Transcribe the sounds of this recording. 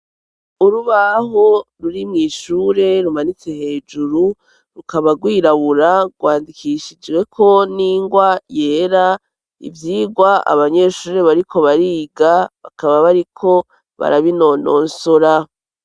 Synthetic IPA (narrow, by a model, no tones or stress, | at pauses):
uɾuβaɦoɾuɾimŋiːʃuːɾe̞ɾumanit͡se̞he̞ːd͡ʒuɾu | ɾukaβaɡwiːɾaβuɾaɡwaːndikʰiʃid͡ʒwe̞kʰo̞niːŋɡwaje̞ːɾa | ḭvjiːɡwaa̰βaɲe̞ʃuːɾe̞βaɾikʰo̞βaɾiːɡaβa̰kaβaβaɾikʰo̞ | βa̰ɾaβino̞no̞̰ːnsoɾa